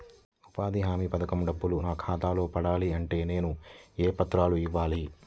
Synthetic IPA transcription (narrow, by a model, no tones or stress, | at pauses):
upaːd̪iɦaːmipɐd̪ɐkɐmɖɐbːulunaːkʰaːt̪aːlo̞ːpɐɽaːliɐɳʈe̞ːne̞ːnueːpɐt̪ɾaːluiʋːaːli